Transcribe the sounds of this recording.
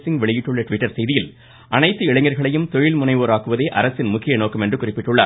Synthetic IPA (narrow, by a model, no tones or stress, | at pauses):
sɪŋɡʋɛɭɪjɪʈːɯɭːɐʈʋɪʈːɐɾsɛjðɪjɪl | ʔɐnɐɪt̪ːɯɪɻɐŋɡɐɾɣɐɭɐjɯmt̪ɔɻɪlmʊnɐɪʋoːɾaːkɯʋɐðeːʔɐɾɐsɪnmʊkːɪjɐnoːkːɐmɛndrɯkʊrɪpːɪʈːɯɭːa̰ːɾ